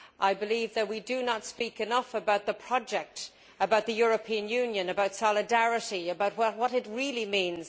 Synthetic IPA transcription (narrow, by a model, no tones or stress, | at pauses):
ʔaɪbɨlivðɨt̚widɨnətspikɨnʌfəbaʊt̪̚ðəpʰɹ̥ɑd͡ʒɛk̚t | əbaʊt̪̚ðɨjʊɹɨpʰĩɨ̃njʉ̃njɨ̃nɨbaʊtsɑlˠɨdæɹɨɾiɨbaʊt̚wʌwʌɾɨt̚ɹilˠimĩnz̥